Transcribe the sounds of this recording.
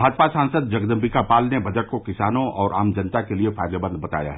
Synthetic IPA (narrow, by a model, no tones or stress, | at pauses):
bʱaːd͡ʒpasãːnsəd̪̚d͡ʒɐɡd̪ə̃mbɪkapaːlnebʱɐd͡ʒəɽ̚kokɪsaːnõʔɔːɾʔaːmd͡ʒɐnt̪akeliefaːjd̪obə̃nd̪̚ʱbɐt̪a̰ːja̰ɦɛ